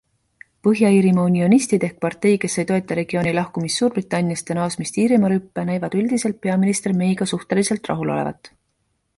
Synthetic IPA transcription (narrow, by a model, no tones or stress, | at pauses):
pɤɦjɑiːɾimɑunionist̪id̪e̞hk̚pɑrt̪e̞jke̞sːejt̪o̞et̪ːˑɑɾe̞ɡ̥io̞ːnilɑhkumist̪ːuːɾb̥rit̪ːˑɑnʲijɑst̪jɑnɑːsmist̪iːɾimɑɾypːenæjvɑd̪̥yld̪̥ise̞lt̪̚pe̞ɑminist̪erme̞jɡ̥ɑsuht̪e̞lise̞lt̪ˑrɑ̰ɦulo̞̰levɑ̰t̪ːˑ